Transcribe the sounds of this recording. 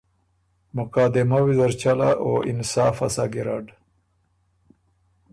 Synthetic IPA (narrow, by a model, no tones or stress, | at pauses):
mʊqaːd̪ɪmawizaɾt͡ʃalaʔoɪnsaːfasaɡɪɾaːɖ